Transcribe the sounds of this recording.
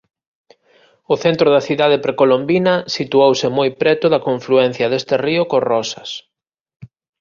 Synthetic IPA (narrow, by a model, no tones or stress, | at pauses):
ʊθent̪ɾʊðɐθiðað̞epɾekolombinɐsit̪uowsɪmojpɾɛt̪ʊðɐkoɱfluɛn̟θjɐðest̪eriʊkorɔsɐs